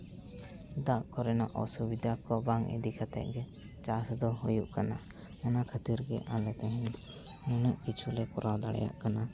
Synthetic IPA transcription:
d̪aʔkɔɾɛnaʔɔsubid̪ʱakɔbaŋɛ̰d̪ikʰat̪ɛ̰ʔ̚ɡɛ | t͡ʃasd̪ɔɦujuʔkana̰ | manakʰat̪iɾɡɛ̰ʔalɛt̪ɛɦɛ̃ɲ | munəʔkit͡ʃʰulɛkɔɾawd̪aɽɛ̰ja̰ʔkana

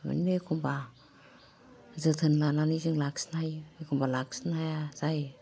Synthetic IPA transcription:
mɯ̰nnɯkʰɔmba | zɯtʰɯnlananizɯŋlaksnajekʰɔmbalak̚snajazaj

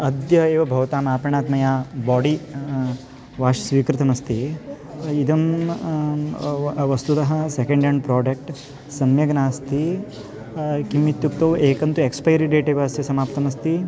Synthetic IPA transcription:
ɐd̪jɐeːʋɐbʱɐʋɐt̪aːmaːpɾɐɳaːt̪mɐjaːbaːɖi | ʋaːʂɐsʋiːkɾɪt̪ɐmɐst̪i | id̪ɐm | ʋɐst̪ut̪ɐɦɐsekẽɳɖɐɳɖ̚pɾaːɖɐk̚ʈ | sɐmjɐɡɐnaːst̪i | kimːit̪jukt̪oːweːkɐnt̪uekspɐjɾiɖeːʈeːʋaːst̪isɐmaːpt̪ɐmɐst̪i

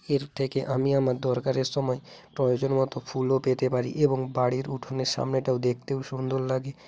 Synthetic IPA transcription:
eɾt̪ʰekeʔamiamaɾd̪ɔɾkaɾeɾsɔmɔepɾɔjod͡ʑonmɔt̪opʰulopet̪epaɾḭʔeboŋbaɽiɾuʈʰoneɾʃa̰mneʈaud̪ek̚ʰt̪eũʃund̪ʱollaɡe

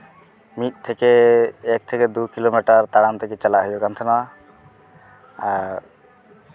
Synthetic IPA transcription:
mit̪̚ˀt̪ʰɛkeːk̚t̪ʰɛked̪ukilomɛʈaɾt̪aɽant̪ʰɛket͡ʃalaɦɔjbɔkant̪ʰɛnawa | aɾ

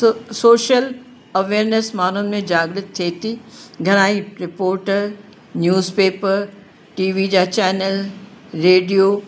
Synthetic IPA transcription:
soːʃəl | ɐʋeːɾnesmaːn̤ʊnɪ̆mẽd͡ʑaːɡɽɪt̪t̪ʰːet̪iɡʱɐɽ̃aːiɾɪpoːɾʈ | njuːzpeːpəɾ | ʈiːʋid͡ʑaːt͡ɕɛːnəlɾeːɖijo

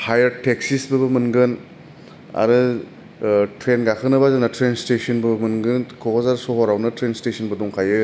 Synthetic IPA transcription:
hajɐɾtek̚sisbɯbɯmɯnɡɯn | a̰ɾɯ | tɾenɡakʰɯnɯbazanatɾenstesʰɯnbɯbmɯnɡɯnkʰɔkɔzaɾsɔɦɔɾawnɯtɾenstesʰɔnbɯduŋkʰajɯ

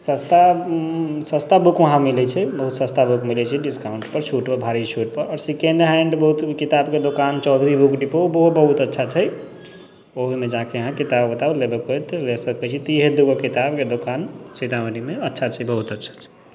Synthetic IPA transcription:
sə̃st̪a | sə̃st̪abukʋəɦãmilɛt͡ʃʰɛbəɦut̪sə̃st̪abukmilɛt͡ʃʰɛɖiskaʊɳʈpəɾt͡ʃʰuʈpəbʱaɾit͡ʃʰuʈpəɾɔːɾsikeɳɖɦɛɳɖbəɦut̪kit̪abked̪okant͡ʃɔwd̪ʱɾibukɖipobəɦubəɦut̪ətːʃʰat͡ʃʰəj | oɦmed͡ʒãkeəɦãkit̪abbət̪ablebekɦojt̪əlesəkɛt͡ʃʰit̪iɦed̪uɡokit̪abked̪okanset̪aʋənimeətːʃʰat͡ʃʰəbəɦut̪ətːʃʰḁt͡ʃʰɛ̥

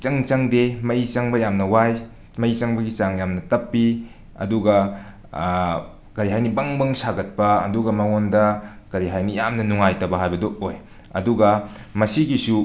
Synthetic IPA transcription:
t͡ʃɐŋt͡ʃɐŋdemɐit͡ʃɐŋbɐjamnɐwaj | mɐit͡ʃɐŋbɐɡit͡ʃaŋjamnɐtɐpːi | ɐ̰duɡɐ | kɐɾiɦajnibɐŋbɐŋsaɡɐt̚pɐɐ̰duɡɐmɐŋondɐ | kɐɾiɦajnijamnɐnuŋajtɐbɐɦajbɐdooj | ɐ̰duɡɐmɐsiɡisu

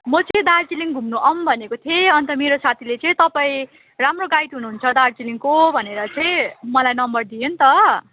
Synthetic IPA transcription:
mʌt͡sʌ̃d̪art͡siliŋɡʱumnuʔʌmbʱʌnekot̪ʰieʌnt̪ʌmeɾosat̪ʰilet͡sʌĩt̪ʌpaĩ | ramroɡajt̪ɦunuɦunt͡sʰʌd̪art͡siliŋkobʱʌneɾʌt͡sʌĩmʌlajnʌmbʌrd̪ijont̪ʌ

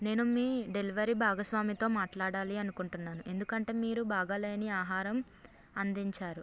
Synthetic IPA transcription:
ne̞ːnumiːɖe̞liʋɐɾibʱaːɡɐsʋaːmit̪o̞ːmaːʈlaːɽaːliɐnukuɳʈunːaːnuʔe̞nd̪ukɐɳʈe̞ːmiːɾubʱaːɡaːle̞ːɐniaːɦaːɾɐm | ɐnd̪iɲt͡ʃaːɾu

